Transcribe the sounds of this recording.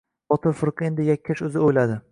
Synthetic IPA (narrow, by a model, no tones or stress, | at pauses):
bɒt̪ʰɪɾfʊɾqɨe̞nd̪ɪjakʲʰːaʃɵzɪojlad̪ɪ